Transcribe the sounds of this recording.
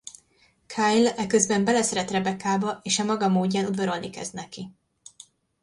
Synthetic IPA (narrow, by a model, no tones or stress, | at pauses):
kʰajlɛkøzbɛmbɛlɛsɛɾɛt̪ɾɛbɛkaːbɒʔeːʃɒmɒɡɒmoːɟːɛnud̪vøɾo̞lnikɛ̰znɛki